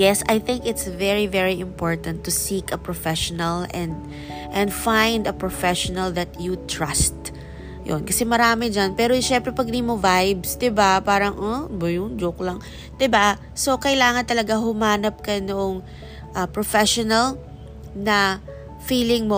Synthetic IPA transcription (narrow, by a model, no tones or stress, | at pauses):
jɛsajθɪ̃ŋkɪt̪svɛɹivɛɹiɪ̃mpoɹt̪ɐ̃nt̪ːʊsikɐpɹɔfɛʃɔnɐlɛ̃nd̪ | ʔɛ̃nd̪fãjnd̪ɐpɹofɛʃɔnɐld̪ɐt̪jut̪ɹast̪ | jo̰nkɐsɛmɐɾaːmɛd͡ʒanpɛːɾoʃɛmpɾɛpɐɡ̚d̪imovajbsd̪ɪbapaːɾɐŋʔɔbjʊŋd͡ʒoklɐŋ | d̪̥ɪba | sokɐjlaːŋɐnt̪ɐlɐɡaɦʊmaːnɐp̚kɐnoʔoŋ | ʔɐpɹofɛʃɔnɐl | nɐ | fiːlɪŋmo